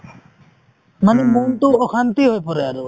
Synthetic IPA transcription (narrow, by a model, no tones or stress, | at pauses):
manemont̪oɔxant̪iɦojpɔɾeaɾu